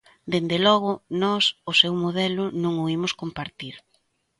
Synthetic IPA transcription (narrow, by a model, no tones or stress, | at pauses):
d̪end̪elɔɣʊnɔsʊsewmoðɛlʊnõŋoimʊskompaɾt̪iɾ